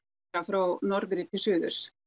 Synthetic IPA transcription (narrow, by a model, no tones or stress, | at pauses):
afɾawnɔɾðɾɪt̪ʰɪlsʏːðʏ̥s